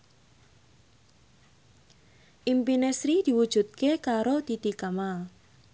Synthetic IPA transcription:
ʔimpinɛsɾid̪̥i̤wud̥ʒ̥ṳt̪̚kekaɾod̪̥it̪ikamal

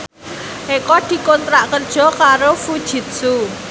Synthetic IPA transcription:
ʔekɔd̪̥i̤kont̪ɾaʔkərd̥ʒ̥ɔ̤kaɾofud̥ʒ̥i̤t̪̚su

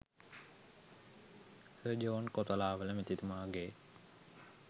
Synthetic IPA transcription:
səd͡ʒoːnkot̪əlaːʋələmet̪it̪umaːɡe

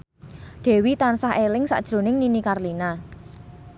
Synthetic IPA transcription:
ɖ̪̥ɛ̤wit̪ansaɦelɪŋsa̰ʔd̥ʒ̥ɾo̤nɪŋninikarlina

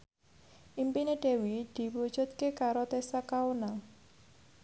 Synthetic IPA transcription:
ʔimpineɖ̥e̤wid̪̥i̤wud̥ʒ̥ṳt̪̚kekaɾot̪esakaona

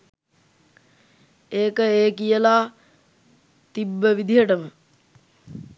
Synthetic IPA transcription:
eːkəeːkijəla | t̪ibːəʋid̪iɦəʈəmə

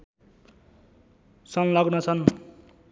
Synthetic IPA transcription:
sʌnlʌɡnʌt͡sʰʌn

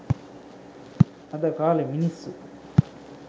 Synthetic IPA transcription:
ɐd̪ɐkaːlɐminisu

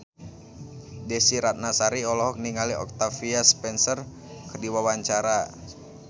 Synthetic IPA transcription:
dɛsiɾat̪̚nasaɾiɔlɔɦɔk̚niŋaliɔ̰k̚t̪afiaspɛnsər | kərdiwawaɲt͡ʃaɾa

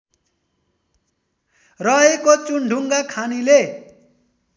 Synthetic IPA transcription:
rʌɦekot͡suɳɖʱuŋɡakʰanile

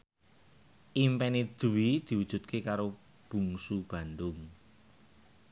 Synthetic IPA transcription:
ʔimpɛnid̪̥uwid̪̥i̤wud̥ʒ̥ṳt̪̚kʰekaɾo | b̥ṳŋsub̥a̤nd̪ʊŋ

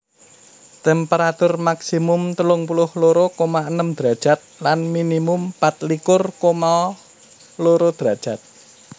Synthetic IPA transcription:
t̪ɛmpeɾat̪ʊrmaksimʊmt̪əlʊŋpulʊhloɾokomaənəmd̪̥ɾad̥ʒ̥a̤t̪̚lanminimʊmpat̪̚likʊrkoma | loɾod̪̥ɾad̥ʒ̥a̤t̪̚

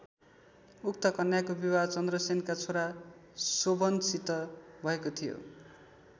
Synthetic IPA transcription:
uk̚t̪ʌkʌnjakobiwat͡sʌnd̪rʌsenkat͡sʰoɾasobʌnsit̪ʌbʱʌekot̪ʰijo̰

